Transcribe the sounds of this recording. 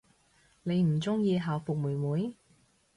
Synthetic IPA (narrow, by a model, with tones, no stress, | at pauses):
ne˨˧jm̩˨˩t͡sʊ˥ŋjiː˧ɦaː˨wfʊ˨k̚muː˨˩jmuː˨˥j